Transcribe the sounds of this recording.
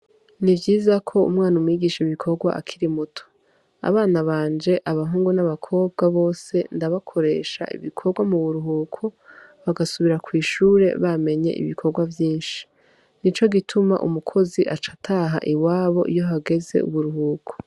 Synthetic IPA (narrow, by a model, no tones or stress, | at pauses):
nivɟiːzakʰo̞ṵmŋaːnumwiːɡiːʃeiβikʰo̞ɾɡwa̰ʔakʰiɾimutʰo̥ | a̰βaːnaβaːɲd͡ʒe̞ʔaβaɦuːŋɡunaβakʰo̞ːb̚ɡaβo̞ːse̞ndaβakʰo̞ɾe̞ːʃa̰ʔḭβikʰo̞bɡwamuβuɾuɦuːkʰoβaɡasuβiɾakwiːʃuːɾe̞̰βame̞ɲe̞̰ʔḭβikʰo̞ɾɡwavjiːnʃi̥ | nit͡ʃo̞ɡitʰuma̰ʔumukʰo̞ziʔat͡ʃḁtʰaɦa̰ʔiwaːβo̞̰ʔijo̞ɦaɡe̞ze̞̰ṵβuɾuɦuːkʰo̥